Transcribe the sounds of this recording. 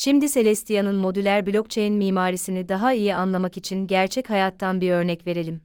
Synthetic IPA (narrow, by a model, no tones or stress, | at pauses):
ʃimd̪ise̞lʲɛst̪ʰijanɯnmo̞d̪ylʲæɾbilʲo̞k̚t͡ʃʰejinmiːmaːɾisinid̪aɦaijianlˠamakit͡ʃʰinɟæɾt͡ʃʰɛchajat̪ʰːanbiɾø̞ɾnɛcve̞ɾe̞lʲim